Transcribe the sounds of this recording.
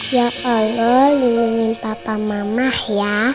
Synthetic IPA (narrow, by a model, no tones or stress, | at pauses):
jaɔlɔlunuŋɪnpapamamahja